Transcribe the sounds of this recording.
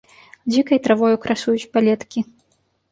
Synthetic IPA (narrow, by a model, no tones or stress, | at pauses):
d͡zʲikɐjt̪ɾavɔjukɾasujut͡sʲpalʲɛt̪kʲi